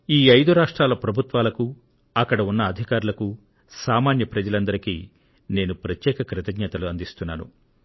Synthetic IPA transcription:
iːɐjd̪uɾaːʂʈɾaːlɐpɾɐbʱut̪ʋaːlɐku | ɐkːɐɽɐunːɐːd̪ʱikaːɾulɐku | saːmaːnjɐpɾɐd͡ʒɐlɐnd̪ɐɾikiː | ne̞ːnupɾɐt̪jɛːkɐkɾɪt̪ɐɡɲɐt̪ɐluɐnd̪ist̪unːaːnṵ

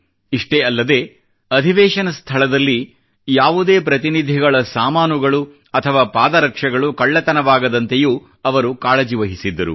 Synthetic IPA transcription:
iʂʈeɐlːɐd̪e̞ː | ɐd̪ʱiʋɛːʂɐnɐst̪ʰɐɭɐd̪ɐlːi | jaːʋud̪e̞ːpɾɐt̪inid̪ʱiɡɐɭɐsaːmaːnuɡɐɭu | ɐt̪ʰɐʋaːpaːd̪ɐɾɐkʂɐɡɐɭukɐɭːɐt̪ɐnɐʋaːɡɐd̪ɐnt̪e̞juː | ɐʋɐɾukaːɭɐd͡ʒiʋɐɦisid̪ːɐɾṵ

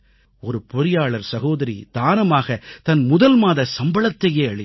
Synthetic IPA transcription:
ɔɾɯpɔɾɪjaːɭɐɾsɐɣoːðɐɾḭd̪̥aːnɐmaːɣɐt̪ɐnmʊðɐlmaːðɐsɐmbɐɭɐt̪ːɐjeːɐɭɪ

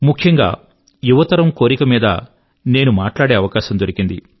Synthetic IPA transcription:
mukʰjɐŋɡa̰ː | juʋɐt̪ɐɾɐmkoːɾikɐmiːd̪ɐ̰ | ne̞ːnumaːʈlaːɽeːɐʋɐkaːʃɐmd̪oɾikind̪ḭ

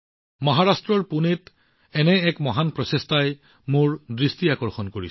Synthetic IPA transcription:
mɔɦaɹastɹɔɹpunet | ɛnɛːkmɔɦanpɹɔsestaj | mʊɹdɹistiakɔɹxɔnkoɹi

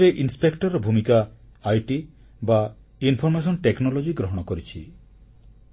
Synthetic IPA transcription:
eʔinspekʈɔɾɔbʱumikaːjʈi | ba | inpʰɔɾmes̬ɔnʈeknɔlod͡ʒiɡɾɔɦɔɽ̃ɔkoɾit͡ʃʰḭ

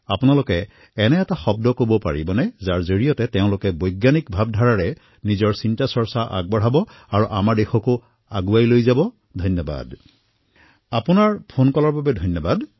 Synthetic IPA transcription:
apunalʊkɛ | ɛnɛːtaxɔb̚dɔkobɔpaɹibɔnɛzaɹzoɹijɔtɛtɛʊ̃lʊkɛbɔjɡːanikbʱab̚dʱaɹaɹɛ | nizɔɹsintasɔɹsaʔa̰ɡ̚bɔɹ̤abɔ | aɹuʔamaɹdexɔko | aɡuajlojzabɔ | dʱɔjnjɔba̰d | apunaɹpʰonkɔlɔɹbabɛdʱɔjnːɔbad

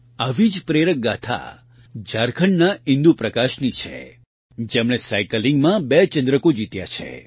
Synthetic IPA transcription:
aʋid͡ʒpɾeɾək̚ɡat̪ʰa̰ | d͡ʒaɾkʰəɳnaĩnd̪upɾəkaʃnit͡ʃʰḛ | d͡ʒemɽ̃esajkəlĩŋɡmãbet͡ʃənd̪ɾəkod͡ʒit̪ja̰t͡ʃʰḛ

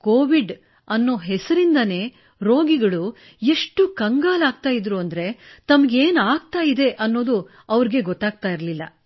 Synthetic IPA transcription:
koːʋiɖ | ɐnːo̞ːɦɛsɐɾind̪ɐne̞ː | ɾo̞ːɡiɡɐɭu | eʂʈukɐŋɡaːlaːɡ̚t̪aːjid̪ɾuɐnd̪ɐɾe̞t̪ɐmɐɡeːnaːɡ̚t̪aːjid̪e̞ʔɐnːo̞ːd̪u | ɐʋɐɾiɡe̞ɡɔt̪ːaːɡ̚t̪aːjiɾɐlilːɐ̰

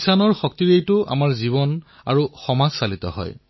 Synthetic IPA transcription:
sanɔɹxɔk̚tiɹejtʊʔa̰maɹziβɔn | a̰ɹuxɔmazsalitɔ̰ɦɔ̰j

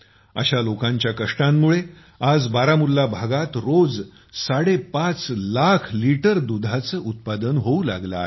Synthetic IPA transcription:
ə̰ɕalokãɲt͡ɕjakəʂʈãmːuɭe | ad͡zbaɾamulːabʱaɡat̪ɾod͡z | saɽepat͡slakʰliʈəɾd̪ud̪ʱat͡səʔut̪̚pad̪ənɦoula̰ɡlae

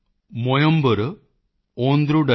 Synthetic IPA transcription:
mojɐmbɐɾɨ | oːnd̪ɾuɖɐ

